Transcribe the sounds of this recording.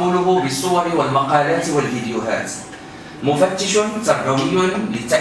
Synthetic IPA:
uːlʊɦʊbɪsˤːʊwɑɾɪwalmɑqɑːlaːt̪walfɪd̪jʊɦa̰ːt̪ | mʊfat̪ːɪʃʊnt̪ɑɾbawɪjːʊnlɪt̪ːaʔ

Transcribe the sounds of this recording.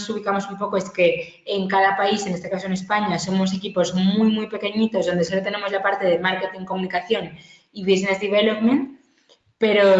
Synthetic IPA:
suβ̞ikamo̞sumpo̞koeske̞ː | ŋkaðapaise̞nest̪e̞kasoene̞spaɲaso̞mo̞s̬e̞kipo̞zmujmujpe̞ke̞ɲit̪o̞zðo̞nd̪esolot̪e̞ne̞mo̞zlapaɾt̪e̞ðemaɾke̞t̪iŋko̞munikaθjo̞n | iβisnazðiβelopmẽnt̪ | pe̞ɾo̞

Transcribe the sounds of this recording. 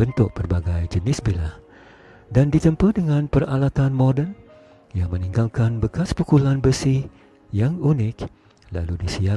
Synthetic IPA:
bənt̪ʊk̚pərbaɡajd͡ʒənɪsbilah | dandit̪əmpədəŋanpəralat̪anmodən | jaŋməniŋɡalkanbəkaspukulanbəsɪh | jaŋunɪk̚ | la̰ludisia

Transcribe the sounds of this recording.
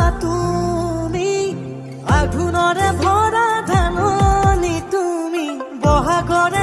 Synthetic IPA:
t̪u | mi | aɡʱunɔɾɛbʱɔɾad̪ʱanɔnit̪umibɔɦaɡɔɾɛ

